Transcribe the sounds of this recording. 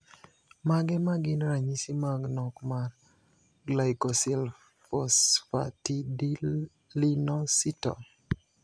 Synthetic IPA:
maɡɛmaɡɪnɾaɲisimaɡnɔkmar | ɡlajkɔsɛlf | ɔsfa̰tidi | linɔsitɔ̰

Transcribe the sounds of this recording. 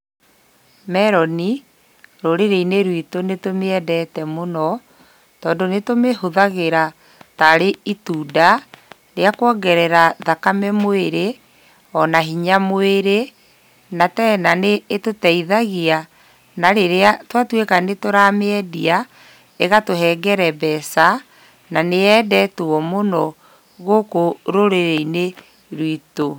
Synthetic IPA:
mɛɾɔni | ɾoɾeɾeineɾwitonetomeɛdɛtɛmonɔ | tɔːndonetomehoðaɣeɾa | taɾeituːda | ɾeakwɔɡɛɾɛɾaðakamɛmoeɾe | ɔnaɦiɲamoeɾe | natɛnaneːtotɛiðaɣia | naɾeɾeatwatwekanetoɾameɛdia | eɣatoɦɛɡɛɾɛbɛsa | naneɛːdɛtoɔmonɔ | ɣokoɾoɾeɾeine | ɾwito

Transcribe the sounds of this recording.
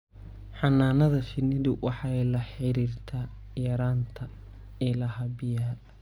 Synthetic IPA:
ħɑnːaːnɐðɐfɪnɪðʊwʔɑħɑɛlɐħɪɾiːrt̪ʰaːjɐɾaːnt̪ʰɐ | ɛlɐɦɐbɪja

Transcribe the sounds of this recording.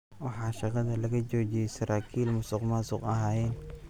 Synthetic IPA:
wɑħɑːʃɑqɑðɐlɐɣɐt͡ʃɔːt͡ʃɪjɛsɐɾʔaːkʰiːlmʊsʊqmaːsʊqɐɦaːjɛn

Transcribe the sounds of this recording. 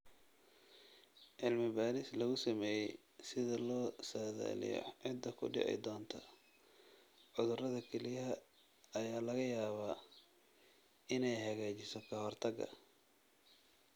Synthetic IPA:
ʕɪlmɪbaːɾɪslɐɣʊsɐmɛːjɛj | sɪðɐlɔːsaːða̰ːlɪ̰jɔ̰ʕɪd̪ːɐkʰʊ̰ɖɪ̰ʕɛ̰jd̪ɔːnt̪ʰɐ | ʕʊðʊrɐðɐkʰɛlɪjɐ | ɐjaːlɐɣɐjaːβa | ɪnɛjhɐɣaːt͡ʃɪsɔkʰɐɦɔrt̪ʰɐɡɐ̰

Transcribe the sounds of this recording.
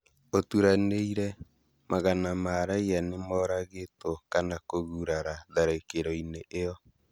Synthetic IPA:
otuɾaneiɾɛ | mʔaɣanamaːɾaianemɔːɾaɣetokanakoɣuɾaɾaðaɾekeɾɔineʔejɔ

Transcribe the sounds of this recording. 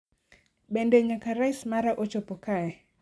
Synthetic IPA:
bendeɲakaɾaɪsmaɾaʔot͡ʃopokaɛ

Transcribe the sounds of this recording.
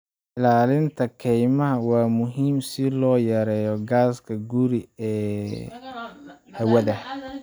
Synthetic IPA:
ʔɪlaːlɪnt̪ʰɐkʰɛjmɐɦɐwɑːmʊɦiːmsɪlɔːjɛɾɛːjɔɡaːskʰɐɡuɾiɛː | hɐwɐðɐ

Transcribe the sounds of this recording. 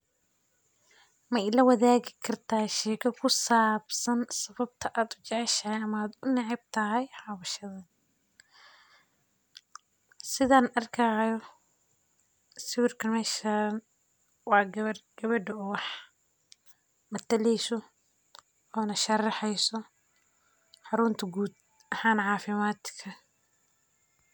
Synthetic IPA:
mɛlɐwɐðaːɣɪkʰɐrt̪ʰaːʃɛːkʰɐkʰʊsaːbsɐnsɐβɐb̚t̪ʰɐʔaːd̪ʊt͡ʃɛʕɛʃɐhɛjɐmɐaːd̪ʊnɪʕɪb̚t̪ʰɐɦɛjħɑwɐʃɐðɐ | sɪðaːnɐrkʰɐjɔ | sɪwɪrkʰɐmɛːʃan | wɑːɡɐrɡ̥ɐβɐɖɐʊwɑħ | mɐt̪ʰɐlɛjsɔ | ɔːnɐʃɐrɑħɛjsɔ | ħɑɾʊnt̪ʰɐɡuːd̪ | ɐħaːnʕɑːfɪmaːt̪kʰɐ

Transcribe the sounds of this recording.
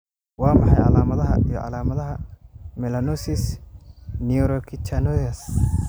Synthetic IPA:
wɑːmɑħɑjʕɑ̰laːmɐðɐɦɐ̰ʔḭjɔ̰ʕɑ̰laːmɐðɐɦɐmɛlɐnɔsis | niuɾɔkʰit͡ʃanɔɐs

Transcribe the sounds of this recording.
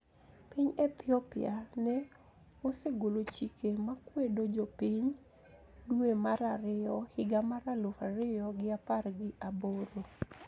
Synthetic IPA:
piɲɛt̪ʰɪɔpɪanɛ | oseɡolot͡ʃikʰemakwedod͡ʒopiɲ | duemaɾaɾɪɔhɪɡamaɾalohaɾɪjɔɡɪaparɡɪʔaboɾo

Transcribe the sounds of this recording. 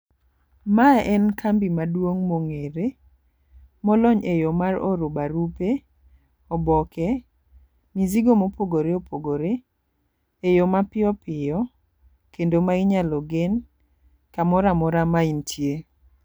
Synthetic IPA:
maɛnkʰambimadwoŋmoŋeɾe | mɔlɔɲejomaroɾobaɾupe | ɔbɔkɛ | miziɡomopoɡoɾeopʰoɡoɾeː | jomapɪɔpɪjɔ | kendomaɪɲalɔɡen | kamɔɾamɔɾamaintʰje

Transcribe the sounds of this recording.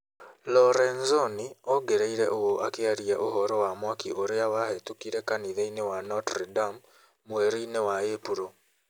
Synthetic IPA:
lɔɾɛnzoniɔɡeɾeiɾɛʔowoʔakeaɾieʔoɦɔɾɔwamwakiʔoɾeawahetukiɾekaniðeinewanɔtɾidam | mweɾeinewaepuɾo

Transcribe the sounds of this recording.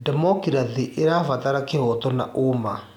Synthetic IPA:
dɛmɔkiɾaðiʔeɾafataɾakehɔtɔnaʔoma

